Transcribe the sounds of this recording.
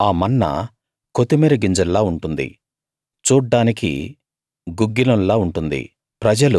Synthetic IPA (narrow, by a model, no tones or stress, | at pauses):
aːmɐnːɐ̰ | kot̪imeːɾɐɡiɲd͡ʒɐlːaːuɳʈund̪ḭ | t͡ʃuːɖːaːnikḭ | ɡuɡːilɐlaːuɳʈund̪ḭ | pɾɐd͡ʒɐlu